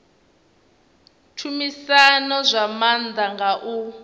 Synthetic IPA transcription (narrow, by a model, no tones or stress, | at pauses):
tʰumisanɔzʷamand̪aŋɡaʔu